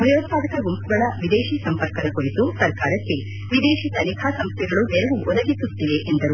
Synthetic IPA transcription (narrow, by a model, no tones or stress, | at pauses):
bʱɾɐjoːt̪̚paːd̪ɐkɐɡompuɡɐɭɐʋid̪eːʃiːsɐmpɐɾkɐd̪ɐkoɾit̪usɐɾkaːɾɐkːe̞ | ʋid̪eːʃit̪ɐnikʰaːsɐmst̪jɛɡɐɭuneɾeʋuʔɔd̪ɐɡisut̪ːiʋe̞ʔend̪ɐɾu